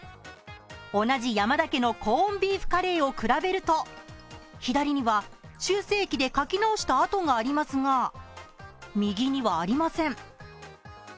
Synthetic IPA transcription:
o̞naʑijamad̪ake̞no̞kʰõ̞ːmbʲiːɸɯ̟̥kaɾe̞ːo̞kɯ̟ɾabe̞ɾɯ̟t̪o̞ | çid̪aɾʲiɲ̟iβaɕɨːse̞ːkʲid̪e̞kakʲinaoɕi̥t̪aːt̪o̞ŋaːɾʲimasɨŋa | mʲiɡʲiɲ̟iβaːɾʲimasẽ̞ɴ

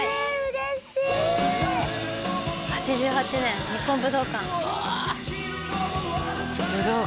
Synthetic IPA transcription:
ɾɕi | hat͡ɕiʑɨːhat͡ɕinẽ̞nɲipːõmbɯ̟d̪oːkãŋ | bɯd̪o

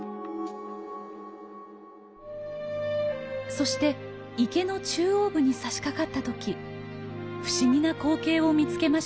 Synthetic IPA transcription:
so̞ɕi̥t̪e̞ike̞no̞t͡ɕɨːo̞ːbɯ̟ɲ̟isaɕi̥kakat̪ːat̪o̞kʲi | ɸɯ̟̥ɕiɲ̟inako̞ːke̞ːo̞mʲit͡sɨ̥ke̞maɕ

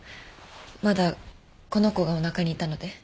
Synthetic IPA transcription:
mad̪a | ko̞no̞ko̞ɡao̞nakaɲ̟iːt̪ano̞d̪e̞

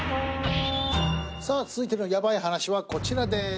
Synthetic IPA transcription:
saːt͡sɨzɨit̪eɾɯnojabaihanaɕiβako̞t͡ɕiɾad̪e̞

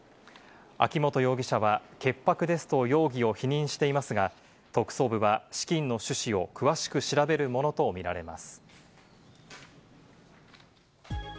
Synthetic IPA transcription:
a̰kʲimo̞t̪o̞jo̞ːɡʲiɕaβake̞pːakɯ̟d̪e̞sɨ̥t̪o̞jo̞ːɡʲio̞çiɲ̟ĩɰ̃ɕi̥t̪e̞imasɨɡa | t̪o̞kɯ̟̥so̞ːbɯ̟βaɕi̥kʲĩnːo̞ɕɨɕio̞kɯ̟βaɕi̥kɯ̟ɕiɾabe̞ɾɯ̟mo̞no̞t̪o̞mʲiɾa̰ɾe̞̰masɨ̥

